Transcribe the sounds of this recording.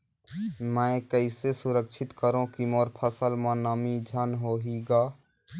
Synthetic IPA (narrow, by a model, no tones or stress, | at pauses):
mɛ̃ːkəɪsesʊɾəkʃʰɪt̪kəɾõkimɔːɾpʰəsəlmãnəmid͡ʒʱənɦoːɦiɡaː